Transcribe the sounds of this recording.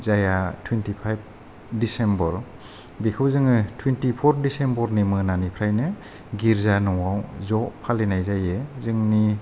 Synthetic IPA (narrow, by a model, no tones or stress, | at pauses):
zajatʰwintipʰajb̚ | disembɔɾ | bikʰɯwzɯŋɯtʰwintipʰɔɾdisembɔɾnimɯnanipʰɾajnɯ | ɡiɾzanɔwawzɔpʰalinajzajezɯŋni